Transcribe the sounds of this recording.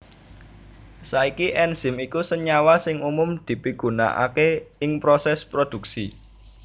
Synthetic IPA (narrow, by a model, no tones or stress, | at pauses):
saikiʔɛnz̥ɪ̤mikusəɲawasɪŋumʊmd̪̥i̤piɡ̥ṳna̰ʔa̰keɪŋpɾosɛspɾod̪̥ṳksi